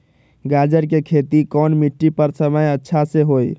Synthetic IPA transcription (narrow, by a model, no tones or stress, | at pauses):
ɡad͡ʒəɾkekʰet̪ikɔnmiʈːipəɾsəməjətːʃʰasẽɦoj